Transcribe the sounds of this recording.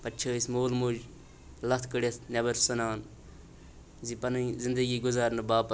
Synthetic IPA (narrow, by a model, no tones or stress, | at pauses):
pɐtːt͡ʃʰəːisʲmoːlmud͡ʒ | lɐt̪ʰkəɽesnʲɐbɐɾsɐnaːn | zipɐnɐzɪnd̪əɡiːɡʊzaːɾnɨbaːpɐ